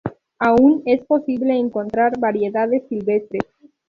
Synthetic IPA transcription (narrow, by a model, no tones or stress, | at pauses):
aunespo̞siβleːŋko̞nt̪ɾaɾβaɾje̞ðaðe̞sːilβest̪ɾes